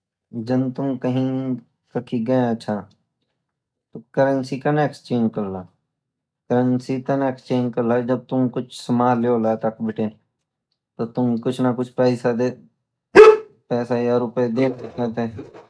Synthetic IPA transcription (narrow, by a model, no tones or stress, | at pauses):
d͡ʒɐnt̪ʊmkəɦĩ | kɐkʰiɡɐẽɐtːʃʰa | t̪okəɾənsikɐnekst͡ʃẽːd͡ʒkɐɾlaː | kəɾənsit̪ɐnekst͡ʃeːnd͡ʒkɐɾlad͡ʒɐb̚t̪ʊmkʊt͡ʃʰsɐmaːɦleolaːt̪ɐkbʱɪʈẽ | t̪ot̪ʊmkʊt͡ʃʰnakʊt͡ʃʰpɾaːɪsad̪e | pɛːsajaɾʊped̪eːkt̪ɪkət̪ɛ̃ː